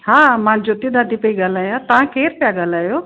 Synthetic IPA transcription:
ɦaːmãːnd͡ʑot̪id̪ʱad̪ipəiɡaːlaːjãt̪ɐʋ̤ãkʰeːɾpjaɡaːlaːjoː

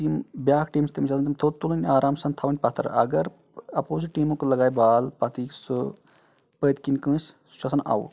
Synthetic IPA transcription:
iːmbjaːkʰʈiːmst̪imt͡ʃɐlnt̪ɐmt̪ʰot̪ulɐnʲaːɾʔaːmsɐnt̪ʰaʋɐnʲpɐt̪ʰɐ̰ɾɐ̰ɡɐɾ | ɐpoːsiʈiːmũkulɐɡaːjbaːlpɐt̪isɨ | pəːd̪kinʲkə̃ːssu̥t͡ʃʰɐsɐnʔa̰ːṵ

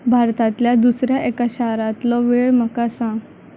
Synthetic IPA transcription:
bʱaɾt̪at̪ljad̪usɾjaʔekaɕaɾat̪lɔʋeɭm̤əkasãɡ

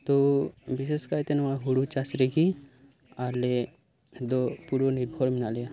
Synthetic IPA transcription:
t̪obiseskaɾt̪enʋaɦuɽut͡ʃasɾeɡi | aɾle | d̪opuɾoniɾbʱʰɔɾminale

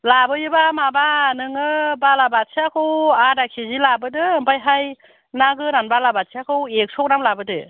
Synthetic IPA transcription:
labɯjɯbamabanɯŋɯbalabat̚sʰeakʰɯwadakʰizilabɯdɯmpajɦaj | naɡɯɾanbalabat̚sʰiakʰɯwek̚sɔk̚namlabɯdɯ

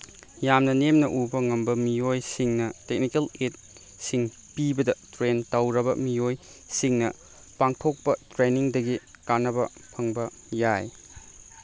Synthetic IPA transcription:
jamnɐnemnɐʔubɐŋɐmbɐmijojsiŋnɐtek̚nikelet̚ | siŋ | pibɐdɐtɾentɐwɾɐbɐmioj | siŋnɐ | paŋtʰok̚pɐtɾeniŋdɐɡi | kanːɐbɐpʰɐŋbɐ | jaj

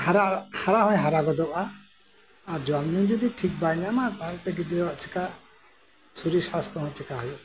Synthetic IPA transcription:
haɾahaɾaɦɔ̃jɦaɾaɡɔd̪ɔpa | aɾd͡ʒɔamnud͡ʒɔd̪iʈʰik̚banamaaɾt̪ɛɡid̪ɾɛwaʔt͡ʃʰika | suɾisast̪ɔɦɔ̃t͡ʃʰikaɦɔjɔ

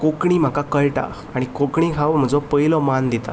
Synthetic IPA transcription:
kokɳiːm̤akakəɭʈa̰ | aɽ̃ikokɳikʰaʋm̤əd͡zɔpəilɔmand̪it̪a̰

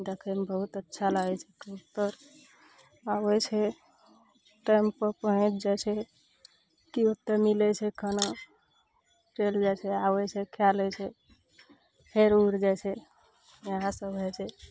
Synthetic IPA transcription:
d̪ekʰənbəɦut̪ətːʃʰaləɡɛt͡ʃʰɛkiut̪ːəɾ | awɛt͡ʃʰɛ | ʈajmpəpəɦə̃t͡ʃʰd͡ʒat͡ʃʰɛ | kiot̪ːəɾmilɛt͡ʃʰɛkəno | ɾeld͡ʒajt͡ʃʰɛawɛt͡ʃʰɛkʰjalɛt͡ʃʰɛ | pʰeɾuɾd͡ʒajt͡ʃʰɛ | jəɦãsəbɦɛt͡ʃʰɛ

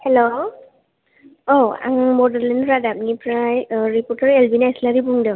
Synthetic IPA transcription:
hɛlo | owa̰ŋmɔdalenɾadap̚nipɹajɹipɔɹtaɹelbinajslaɾibuŋda

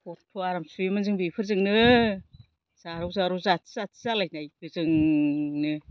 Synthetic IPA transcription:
kɔtʰuaɾamsuemɯnzɯŋbipʰɯɾzɯŋnɯ | zaɾɯwzaɾuzatʰzatʰzalajnajpʰɯzɯŋnɯ

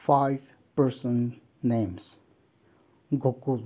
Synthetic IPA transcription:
faɪv | pəɾsə̃nː | ẽms | ɡʱokul

